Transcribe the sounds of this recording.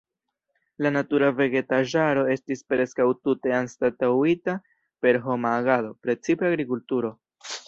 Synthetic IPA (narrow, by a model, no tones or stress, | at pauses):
lanatuɾave̞ɡe̞taʒaɾo̞e̞stispɾe̞skawtute̞anstatawita | pe̞ɾɦo̞maːɡado̞pɾe̞t͡sipeaɡɾikultuɾo̞